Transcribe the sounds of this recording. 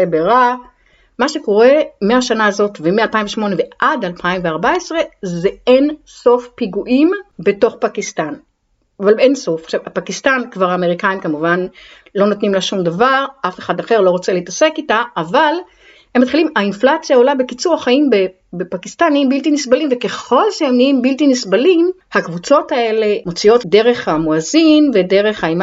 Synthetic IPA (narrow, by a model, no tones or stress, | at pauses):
ebeʁa | maʃe̞ko̞ʁe̞meaʃanaːzo̞tvemealpaiɱveʃmo̞ne̞veʔadalpʰaimveaʁbae̞sʁe̞zeen | so̞fpiɡuʔimbe̞to̞χpakistan | avalenso̞fχʃavapakistankvaʁaːme̞ʁikaimkamuvan | lo̞notnimlaʃumdavaʁʔafe̞χadaχeʁlo̞ʁo̞t͡seleitase̞kitaʔːval | hemːatχilimainflat͡sjao̞labe̞kit͡suʁaχaimbe | bepakistaniimbiltinisbalimveke̞χo̞lʃeemniimbiltinisbalim | hakvut͡so̞tae̞le̞mo̞t͡sio̞tde̞ʁe̞χhamoazinve̞de̞ʁe̞χhaim